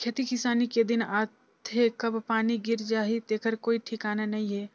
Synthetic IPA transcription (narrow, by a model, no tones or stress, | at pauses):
kʰɐt̪ikɪsaːniked̪ɪnaːt̪ɦekɐbpaːniɡɪɾd͡ʒaːɦit̪eːkəɾkoːiʈʰɪkaːnanɐɦĩɦɛː